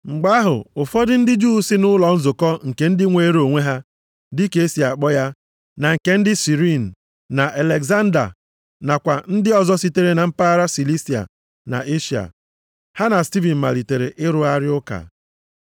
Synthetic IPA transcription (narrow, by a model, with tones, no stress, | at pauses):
ŋ͡m̩˨ɡ͡ba˦ɦʊ̰˨ʊ˨fɔ˦dɪ˦n̩˦dɪ˦d͡ʒuː˦sɪ˦nʊ˦lɔ˨n̩˦zʊ˨kɔ˦ŋ̩˨ke˨n̩˦dɪ˦ŋʷe˨˦ɾo˨ŋʷe˦ɦa˦ | dɪ˦ke˦si˨a˨k͡pɔ˦ja˦ | na˨ŋ̩˨ke˨n̩˦dɪ˦si˨ɾi˦˨n̩˨ | na˨ʔa˨le˨ɡza˦n˦da̰˨ | na˨kʷa˨n̩˦dɪ˦ɔ˨zɔ˦si˦te˦ɾe˦na˨m̩˦pa˦ɾa˦si˨li˦si˨a̰˨ | na̰˨ʔe˦ʃi˨a̰˨ | ha˦na˨sti˦vi˨m̩˨ma̰˨li˨te˨ɾḛ˨ʔɪ˦ɾʊ˦a˦ɾɪ˦ʊ˦ka̰˨